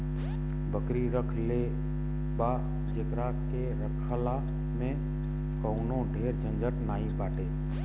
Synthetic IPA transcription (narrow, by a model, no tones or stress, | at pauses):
bʱəkɾiɾəkʰle | ba | d͡ʒɪkɾaːkkeɾəkʰəla | mẽ | kəʊnõɖʱeːɾd͡ʒə̃nd͡ʒəʈnaːĩbaːʈeː